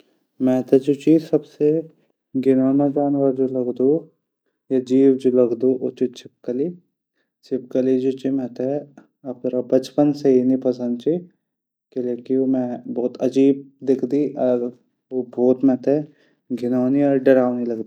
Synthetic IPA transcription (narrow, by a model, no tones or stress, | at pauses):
mɛ̃ːt̪ʰɛd͡ʒoːt͡ʃiːzsɐbse | ɡʱɪnaːnad͡ʒaːnʋəɾd͡ʒolɐɡd̪u | jad͡ʒiːwd͡ʒolɐɡd̪uʔot͡ʃit͡ʃʰɪp̚kəli | t͡ʃɪp̚kəlid͡ʒot͡ʃimɛ̃t̪e | ɐp̚t̪ɐɾabɐt͡ʃpənsɐɦinipɐsə̃nd̪̚t͡ʃʰi | keleːkiomɛ̃bɔːt̪ɐd͡ʒiːb̚d̪ɪkʰd̪iʔɔɾ | obʱoːt̪mɛ̃ːt̪ɛ | ɡʱɪnaːniɔːɾɖɐɾaːʊnilɐɡd̪i